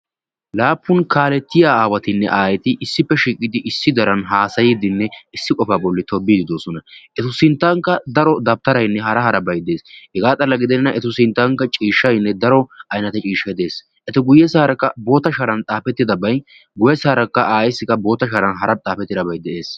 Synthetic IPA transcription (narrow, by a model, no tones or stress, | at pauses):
laːpːʊnkʰaːlɛt̪ːɪjaːaːwɐt̪ɪnːɛ̰ʔaːjɛt̪ɪʔɪsːɪpːɛʃiːkʼːɪd̪ɪʔɪsːɪd̪ɐɾɐnɦaːsɐjiːd̪ɪnːɛɪsːɪkʼɔfaːbɔlːɪt̪ɔbːiːd̪ɪd̪o̞ːsɔnɐʔɛt̪ʊsɪnt̪ːɐŋkːɐd̪ɐɾɔd̪ɐb̚t̪ːɐɾɐjnːɛɦɐɾɐhɐɾɐbɐjd̪e̞ːshɛɡaːt͡s̪ʼɐlːɐɡɪd̪ɛnnɐʔɛt̪ʊsɪnt̪ːɐŋkɐt͡ʃʼiːʃːɐjnːɛd̪ɐɾɔɐjnɐt̪ɛt͡ʃʼiːʃːɐd̪e̞ːs | ʔɛt̪ɔɡʊjɛsaːɾɐkːɐbo̞ːt̪ːɐʃɐɾɐnt͡s̪ʼaːfɛt̪ːɪd̪ɐbɐj | ɡʊjɛsaːɾɐkːɐʔaːjɛsːɪkːɐbo̞ːt̪ːɐʃɐɾɐnɦɐɾɐt͡sʼaːfɛt̪ːɪd̪ɐbɐjd̪ɛʔe̞ːs